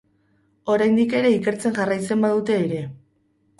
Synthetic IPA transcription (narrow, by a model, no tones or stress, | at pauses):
o̞ɾajnd̪ike̞ɾe̞ike̞ɾt͡se̞ŋʝarajt͡se̞mbaðut̪e̞ːɾe̞